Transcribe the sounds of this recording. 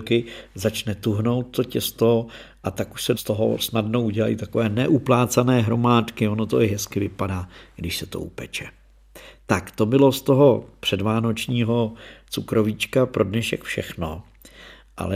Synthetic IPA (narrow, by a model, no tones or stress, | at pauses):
kɪzat͡ʃnɛt̪uɦno̞wt̪̚ːo̞cɛst̪oʔat̪akuʃsɛst̪o̞ɦo̰snadno̞uɟɛla̰jḭt̪ako̞vɛːnɛʔuplaːt͡sanɛːɦɾo̞maːt̪kɪo̞no̞t̪o̞ɪɦɛskɪvɪpadaːɡ̥dɪʃsɛt̪o̰ʔṵpɛt͡ʃɛ | t̪akt̪o̞bɪlo̞st̪o̞ɦo̞pr̝̥ɛdvaːno̞t͡ʃɲiːɦo̞t͡sukɾo̞vit͡ʃkapɾʔo̞dnɛʃɛkfʃɛxno̞ | ʔa̰lɛ